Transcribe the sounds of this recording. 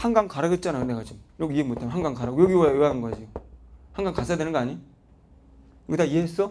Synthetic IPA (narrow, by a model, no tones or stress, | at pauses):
haŋɡaŋkaɾaɡet̚t͡ɕ͈anajoneɡat͡ɕimɾoiemotʰamnɦaŋɡaŋkaɾaɡojeɡiwoajoanɯnɡʌad͡ʑiohaŋɡaŋkasʰajadwenɯnɡʌaɲi | kɯtaieɦes͈ʌ